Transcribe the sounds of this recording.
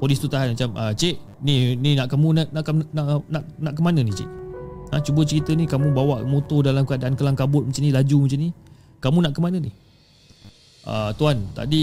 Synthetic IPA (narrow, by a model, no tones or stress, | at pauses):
polist̪ut̪aɦanmat͡ʃamət͡ʃeʔ | nininaʔkamũnaʔnaʔkanaʔnaʔnaʔkəmanə̃nit͡ʃɪ̰ʔat͡ʃubət͡ʃəɾit̪ənikamũbawaʔmot̪odalamkəadaʔankəlaŋkabʊt̪̚mat͡ʃanilad͡ʒumat͡ʃani | kamũnaʔkəmanə̃nih | ʔə̰t̪uant̪a̰di